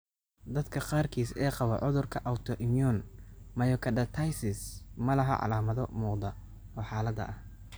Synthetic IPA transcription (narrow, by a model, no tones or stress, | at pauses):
d̪ɐd̪kʰɐqɑːrkʰiːsɛːqɑβɔʕʊðʊrkʰɐʔawt̪ʰɔʔɪmijɔnmɐjɔkʰɐdɐt̪ʰɐjsɪsmɐlɐɦɐ̰ʕɑ̰laːmɐðɔmuːqd̪ɐ | ɔːħɑːlɐd̪ɐ̰ʔɐh